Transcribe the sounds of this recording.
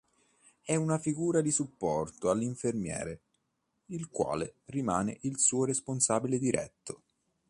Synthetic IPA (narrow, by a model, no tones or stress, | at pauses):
ɛunafiɡuːɾad̪isupːɔrt̪oalːiɱfermjɛ̰ːɾe | ilkwa̰ːlerimaːnḛʔilsuːoɾesponsaːbiled̪iɾɛ̰t̪ːo